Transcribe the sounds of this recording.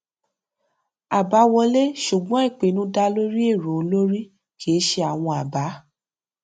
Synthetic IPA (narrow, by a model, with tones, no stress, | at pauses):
a˨ba˨˦wɔ˧le˦ʃu˨ɡ͡bɔ̃˨˦i˦˨k͡pe˨nũ˧˦da˧lo˦ɾi˦e˦˨ɾo˨o˧˦lo˦ɾi˦ | ke˨e˦ʃe˧a˨w̃ɔ̃˧a˨ba˨˦